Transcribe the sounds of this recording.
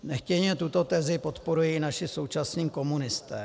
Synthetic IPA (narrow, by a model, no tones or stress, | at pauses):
nɛxcɛɲɛt̪ut̪o̞t̪ɛzɪpo̞t̪po̞ɾujinaʃɪso̞wt͡ʃasniːko̞munɪst̪ɛː